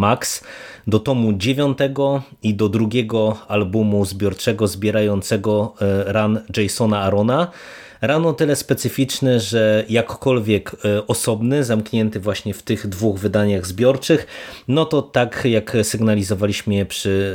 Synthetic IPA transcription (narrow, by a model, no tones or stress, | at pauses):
maksd̪ɔt̪ɔmud͡ʑevʲjɔnt̪ɛɡɔid̪ɔd̪ɾuɡʲɛɡɔalbumuzbʲjɔɾt͡ʂɛɡɔzbʲjɛɾajɔnt̪sɛɡɔɾanʐɛjsɔnaːɾɔna | ɾanɔt̪ɘlɛspɛt̪sɘfʲit͡ʂnɛʐɛjakːɔlvʲjɛkɔsɔbnɘzamkɲɛnt̪ɘvwaɕɲɛft̪ɘɣd̪vuɣvɘd̪aɲaɣzbʲjɔɾt͡ʂɘxnɔt̪ɔt̪akjaksɘɡnalʲizɔvalʲiɕmɘjɛpʂɘ